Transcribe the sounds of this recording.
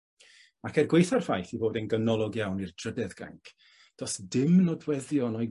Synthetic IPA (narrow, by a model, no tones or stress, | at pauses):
akʰɛrɡwejθarfajθivoːdɛnɡənɔlˠɔɡjawnird̥ʰrədɛðɡ̥a̰ŋkʰ | d̥ɔsdɪmnɔdwɛðjɔnɔj